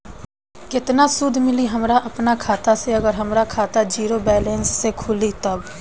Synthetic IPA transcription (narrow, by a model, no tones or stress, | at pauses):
kɪt̪nasʊd̪ʱmɪliɦɐmɾaʔɐpnakʰaːt̪aseɐɡəɾɦəmɾakʰaːt̪ad͡ʒiːɾobɛːlẽːnsːekʰʊlit̪ɐb